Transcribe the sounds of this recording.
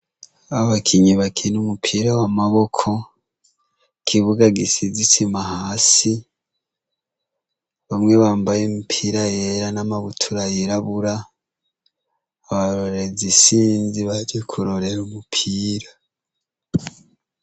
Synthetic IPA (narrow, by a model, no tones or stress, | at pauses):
aβakʰiɲiβakʰinumupʰiːɾawamaβo̞kʰo̞ | kʰiβuɡaɡisizisimahaːsi | βamŋe̞βaːmbajemupʰiːɾaje̞ɾanamaβutʰuɾajeɾaβuɾa | βaɾo̞ɾe̞zisiːnziβad͡ʒekʰuɾo̞ɾe̞ɾumupʰiːɾa